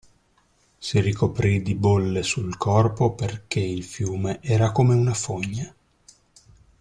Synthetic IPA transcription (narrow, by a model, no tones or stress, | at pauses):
sirikopɾid̪ibolːesulkʰɔrpoperkeilfjuːmeʔɛːɾakomeunafoɲːa